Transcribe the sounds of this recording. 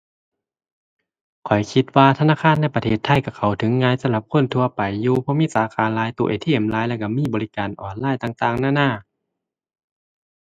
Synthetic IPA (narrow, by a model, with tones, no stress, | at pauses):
kʰɔ˨˩jkʰi˧t̪̚waː˧t̪ʰa˧naː˧˥˨xʰaː˧˥˨nːa˧˥˨jpa˧t̪ʰeː˧˩t̪ʰːa˧˥˨jka˧˩kʰa˨˩wt̪ʰɯ˨˦ŋːaː˧˥˨jsa˧˦mla˧p̚kʰo˧˥˨nt̪ʰu˧ɐpa˨˩jːuː˧pʰɔ˧miː˧˥˨saː˨˦xʰaː˨˦nlaː˨˦jt̪u˧˨ʔḛ˨˧˩t̪ʰiː˧˨ʔa˨˦mlaː˨˧˦jlɛ˧˩ka˧˩miː˧˥˨bɔː˨li˧kaː˨˩nʔɔː˨˩nlaː˧˥˨jt̪aː˧ŋt̪aː˧˨ŋnaː˧˥˨naː˧˩˨